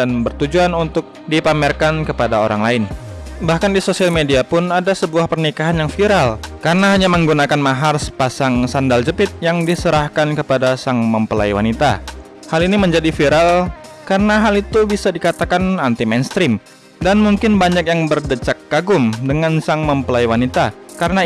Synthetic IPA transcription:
danbərt̪ud͡ʒuanunt̪ʊk̚dipamɛrkankəpadao̰ɾa̰ŋlaɪn | bahkandisosialmediapʊnadasəbuahpərnikaɦanjaŋfiɾalkaɾənaɦaɲaməŋɡunakanmaɦarsə̥pasaŋsandald͡ʒəpɪt̪̚jaŋdisəɾahkankəpadasaŋməmpəla̰jwanit̪a̰ | haliniməɲd͡ʒadifiɾal | kaɾənaɦalit̪ubisadikat̪akanant̪imenst̪ɾɪm | danmuŋkɪnbaɲak̚jaŋbərdət͡ʃak̚ːaɡʊmdəŋansaŋməmpəlajwanit̪a | kaɾəna

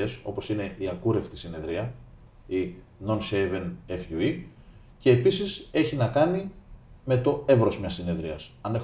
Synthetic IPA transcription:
e̞so̞po̞sine̞ʔiɐkuɾe̞ft̪i̥sine̞ðɾiɐ | i | no̞nsejve̞nefʝui | ce̞ːpisise̞çinɐkɐnime̞t̪o̞e̞vɾo̞zmɲɐsine̞ðɾiɐsɐne̞

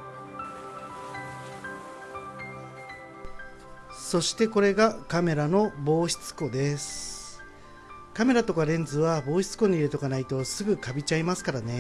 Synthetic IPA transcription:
so̞ɕi̥t̪e̞ko̞ɾe̞ɡakame̞ɾano̞bo̞ːçi̥t͡sɨ̥ko̞d̪e̞sɨ̥ | kame̞ɾat̪o̞kaɾẽ̞nd͡zɨβabo̞ːçi̥t͡sɨ̥ko̞ɲ̟iːɾɯt̪o̞kanait̪o̞sɨɡɯ̟kabʲit͡ɕaimasɨ̥kaɾane̞

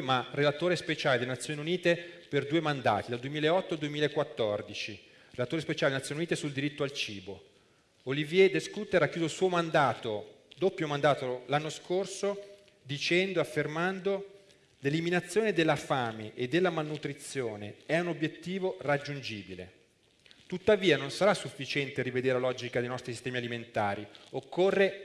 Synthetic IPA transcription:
marelat̪oːɾespet͡ʃaːled̪elenat̪sːjoneuniːt̪eperd̪uːemand̪a̰ːt̪id̪ald̪uwemiːlaeɔt̪ːoald̪uwemilaekːwat̪ːɔrd̪it͡ʃi | relat̪oːɾespet͡ʃaːled̪enat̪ːjonuniːt̪esuld̪iɾit̪ːoalt͡ʃiːbo | olivjɛd̪eskut̪ːeɾakːjuːzoilsuːomand̪aːt̪o | d̪opːjomand̪aːt̪olanːoskorso | d̪it͡ʃɛnd̪oafːermand̪o | leliminat̪sːjoːned̪elːafaːmeʔed̪ːelːamalnut̪ɾit̪sːjoːneɛunobjet̪ːiːvorad͡ʒːund͡ʒiːbilḛ | t̪ut̪ːaviːanonsaɾasːufːit͡ʃɛnt̪eɾived̪eːɾelalɔːd͡ʒikad̪ejnɔst̪ɾisist̪ɛːmialiment̪aːɾiokːorːe

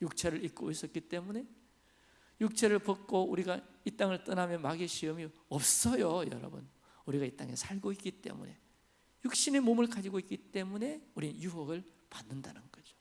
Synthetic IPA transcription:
juk̚t͡ɕʰeɾɯɭik̚k͈o̰is͈ʌt̚k͈it͈e̞mune̞ | juk̚t͡ɕʰeɾɯɭpʌk͈ouɾiɡait͈aŋɯɭt͈ɯnamjʌnmaɡiɕʰiʌmi | ʌp̚s͈ʌjojʌ̰ɾʌ̰bɯ̰n | uɾiɡait͈a̰ŋe̞sʰaɭɡoik͈it͈e̞̰mṵne̞̰ | juk̚ɕ͈ine̞momɯɭkad͡ʑiɡoik͈it͈e̞mune̞uɾinjuɦʌɡɯɭ | panːɯndanɯnɡʌd͡ʑo̥

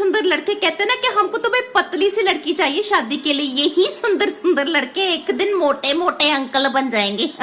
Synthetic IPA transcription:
sʊnd̪əɾləɽkeːkɛːt̪eːnaːkɪɦəmkõːt̪õːbɛ̃pət̪liːsiːləɽkiːt͡ʃaːɦieːʃaːd̪iːkeːləiːjeɦiːsʊnd̪əɾsʊnd̪əɾləɽkeːɪkd̪ɪnmoːʈeːmoːʈeːə̃ŋkəlbənd͡ʒaːẽːŋɡeː

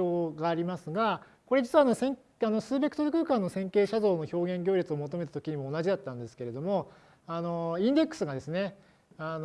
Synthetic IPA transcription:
oːɡaːɾʲimasɨɡa | ko̞ɾe̞d͡ʑit͡sɨɯβaːnosẽŋ | ano̞sɨːbe̞kɯ̟t̪oɾɯ̟kɯ̟ːkãnːo̞sẽ̞ŋke̞ːɕazo̞ːno̞ço̞ːɡẽ̞ŋɡʲo̞ːɾit͡sɨomo̞t̪o̞me̞t̪ḁt̪o̞kʲiɲ̟imo̞ːnaʑid̪at̪ːãnd̪e̞sɨ̥ke̞ɾe̞d̪o̞mo̞ | ano̞ĩnd̪ekːɯ̥sɨɡad̪e̞sɨne̞ | an

